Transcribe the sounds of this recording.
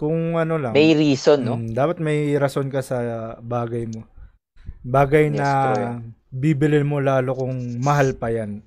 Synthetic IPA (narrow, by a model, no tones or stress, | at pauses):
kʊŋʔɐno̞lɐŋmɐjɾiːsonːomd̪aːpɐt̪̚mɐjɾɐso̞nkɐsɐbaːɡɐjmo̞ | baːɡɐjnɐ | biːbɪlɪnmo̞laːlokʊŋmɐɦalpɐjan